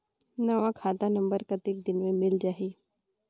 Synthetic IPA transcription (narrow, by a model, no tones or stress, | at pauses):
naʋãkʰaːd̪anɐ̃mbəɾkɐt̪ɪk̚d̪ɪnmẽmɪld͡ʒaːɦiː